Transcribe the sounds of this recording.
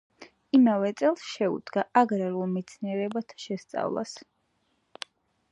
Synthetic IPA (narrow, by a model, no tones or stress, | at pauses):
imavɛt̪sʼɛlˠsʃɛṵd̪ɡaʔaɡɾaɾulˠmit̪sʰniɛɾɛbat̪ʰḁʃɛst̪sʼa̰vlˠa̰s